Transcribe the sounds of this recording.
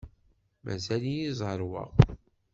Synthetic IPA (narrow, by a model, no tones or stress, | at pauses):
mʔæ̰zælijizˤəɾˤwə̰ʁ